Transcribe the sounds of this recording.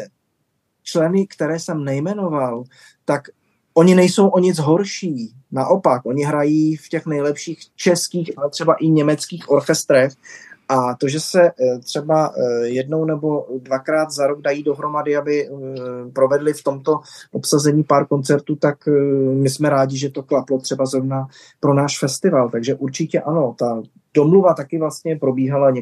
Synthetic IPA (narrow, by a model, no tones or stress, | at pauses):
t͡ʃlɛnɪkt̪ɛɾɛːsɛmnɛjmɛno̞val | t̪ak | ʔo̞ɲɪnɛjso̞wʔo̞ɲɪt͡sɦo̞ɾʃiː | naʔo̞pakʔo̞ɲɪɦɾajiːfcɛxnɛjlɛpʃiːxt͡ʃɛskiːxalɛt̪r̝̥ɛbaʔɪɲɛmɛt͡skiːxʔo̞ɾxɛst̪ɾɛxʔat̪o̞ʒɛsɛt̪r̥ɛbajɛdnownɛbo̞dvakɾaːt̪zaɾoɡ̚dajiːdo̞ɦɾo̞madɪabɪ | pɾo̞vɛdlɪft̪o̞mt̪o̞ʔopsazɛɲiːpaːɾko̞nt͡sɛɾt̪uːt̪akmɪsmɛɾaːɟɪʒɛt̪o̞klaplo̞t̪r̥ɛbazɾovna | pɾo̞naːʃfɛst̪ɪvalt̪aɡʒɛʔuɾt͡ʃɪcɛʔano̞t̪a | d̥o̞mluvat̪akɪvlast̪ɲɛpɾo̞biːɦalaɲɛ